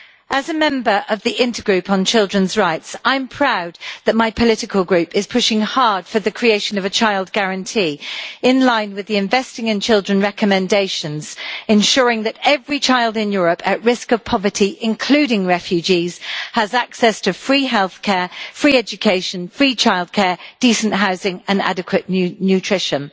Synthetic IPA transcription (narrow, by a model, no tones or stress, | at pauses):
ʔəzəmɛ̃mbəɹʔəvðiʔɪ̃ntəɡɹʉˑpn̩t͡ʃʰɪlˠdɹə̃nzɹaɪtsãɪ̃mpʰɹ̥aʊd̪̚ðəʔ̚maɪpʰəlɪtɪkʰəlˠɡɹʉˑpɪz̥pʰʊʃɪ̃ŋhɑːd̥fəðɨkʰɹ̥ieɪʃə̃nəvət͡ʃʰaɪlˠd̚ɡaɹə̃ntʰiːɪ̃nlãɪ̃nwɪðiɪ̃ɱvɛstɪ̃ŋɪ̃nt͡ʃʰɪlˠdɹə̃nɹɛkəmɛ̃ndeɪʃə̃nz̥ɪ̃nʃɔːɹɪ̃ŋðətɛvɹit͡ʃʰaɪlˠdɪ̃njɔːɹəpʰəʔɹɪskəv̥pʰɒvətʰiʔɪ̃nkʰl̥ʉːɾɪ̃ŋɹɛfjʉd͡ʒiːz̥həzaksɛstʰəfɹiːɦɛlˠθkʰɛːfɹiːɛd͡ʒɨkʰeɪʃə̃nfɹiːt͡ʃʰaɪlˠd̚kʰɛːd̥iˑsə̃nʔɦaʊzɪ̃ŋə̃na̰dɪkʰwəʔnjʉtʰɹ̥ɪʃə̃n